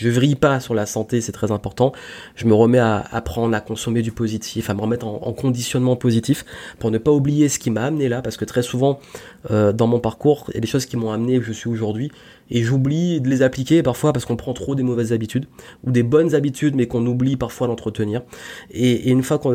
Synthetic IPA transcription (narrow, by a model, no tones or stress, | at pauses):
ʒəvʁipasyʁlasɑ̃t̪esɛt̪χɛzɛ̃pɔʁt̪ɑ̃ʒ̥əməʁəmɛaa̰pχɑ̃d̪ʁakɔ̃sɔmed̪ypozit̪ʰifaməʁəmɛt̪χɑ̃ɑ̰̃kɔ̃d̪isjɔnmɑ̃pozit̪ifpuʁnəpaublijesə̥kʲimaːmnelapaʁsəkət̪χɛsuvɑ̃ | ød̪ɑ̃mɔ̃paʁkuʁjʔa̰d̪eʃozkʲimɔ̃amneuʒəsɥioʒuʁd̪ɥi | eʒublid̪əlezaplikʲepaʁfwapaʁsə̥kɔ̃pχɑ̃t̪χod̪emɔvɛzːabit̪yd̪ud̪ebɔnzabit̪ʰyd̪mɛkɔ̃nublipaʁfwalɑ̃t̪χət̪əniːʁeːynfwakɔ̃